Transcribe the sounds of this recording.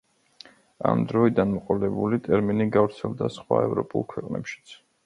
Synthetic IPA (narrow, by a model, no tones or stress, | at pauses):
amd̪ɾɔid̪anmɔqʼɔlɛbulit̪ʼɛɾminiɡavɾt̪sʰɛlˠd̪asχwaɛvɾɔpʼulˠkʰwɛqʼnɛ̰pʃi̥t̪sʰ